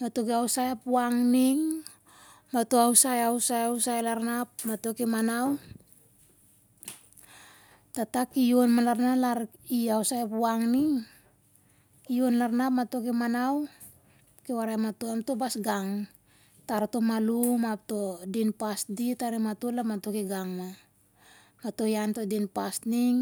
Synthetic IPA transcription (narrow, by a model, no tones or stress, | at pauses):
mato̞keawsajapuaŋniŋ | matoawsajawsajawsajlaɾnap̚mato̞kemanaw | tatakijo̞nmalaɾnalaɾ | iawsajapuaŋniŋ | kijo̞nlaɾnapmato̞kimanaw | kewaɾajmatoamto̞basɡaŋ | taɾto̞malumap̚to̞dinpasditaɾiematolamato̞kiɡaŋma | mato̞janto̞dinpastniŋ